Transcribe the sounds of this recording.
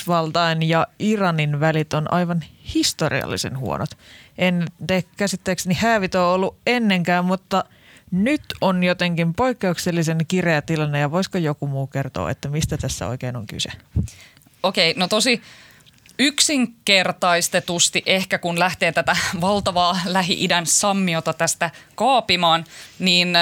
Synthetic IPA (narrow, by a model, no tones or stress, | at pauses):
ʋɑlt̪ɑinjɑirɑninʋælit̪onʔɑ̰jʋɑnhist̪orḭɑ̰lːḭsḛnhṵonʔot̪ʔenːt̪ekkæsit̪ːeːksnihæːʋit̪oːolːuʔenːe̞ŋkæːmmut̪ːɑ | nyt̪onjot̪eŋkimpo̞ikːe̞ukselːis̬enkireæt̪ilɑnːejɑʋoiskojokumuːke̞rt̪o̰ːḛt̪ːæmist̪æt̪æsːæ̰o̰ikeːnoŋky̰se | okeinot̪osi | yksiŋkert̪ɑist̪et̪ust̪iʔehkækunlæht̪eːt̪æt̪æʋɑlt̪ɑʋɑːlæɦḭʔidænssɑmːiot̪ɑt̪æst̪ækɑːpimɑːnniːn